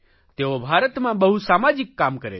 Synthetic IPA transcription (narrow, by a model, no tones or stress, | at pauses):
t̪eːʋobʱaːɾət̪mãbɐɦusaːmaːd͡ʒɪkːaːmkəɾḛ